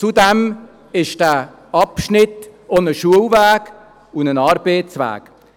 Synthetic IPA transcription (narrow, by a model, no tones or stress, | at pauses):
t͡sudɛm | ɪʃd̥æː | ɑpʃnɪtonəʃuəlvæːɡ | ʊnənɑːɾbeːt͡svæ̰ːk